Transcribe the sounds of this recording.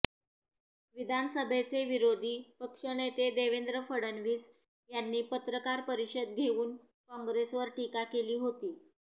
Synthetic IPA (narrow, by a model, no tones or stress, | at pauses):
ʋid̪ʱanəsəbʱet͡seʋiɾod̪ʱiːpəkʂəɳet̪ed̪eʋend̪ɾəfəɽənʋiːs | janːiːpət̪ɾəkaɾpəɾiɕəd̪̚ɡʱeʋuːn | kɔ̃ŋɡɾesʋəɾʈikakeliːɦot̪iː